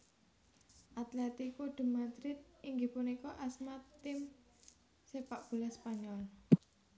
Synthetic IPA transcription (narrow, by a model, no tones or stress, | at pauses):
ʔat̪lɛt̪ikuɖ̪̥ə̤mad̪ɾɪt̪̚iŋɡipunikɔʔasmat̪ːɪm | sepaʔb̥ṳlaspaɲɔl